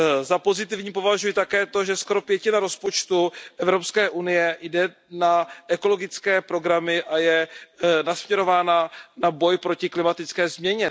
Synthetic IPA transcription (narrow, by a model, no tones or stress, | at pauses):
zapo̞zɪt̪ɪvɲiːpo̞vaʒujɪt̪akɛːt̪o̞ʒɛsko̞ɾo̞pjɛcɪnaɾo̞spo̞t͡ʃt̪uʔɛvɾo̞pskɛːʔunɪjɛjdɛ | naʔɛko̞lo̞ɡɪt͡skɛːpɾo̞ɡɾamɪʔajɛnasmɲɛɾo̞vaːnanabo̞jpɾocɪklɪmat̪ɪt͡skɛːzmɲɛɲɛ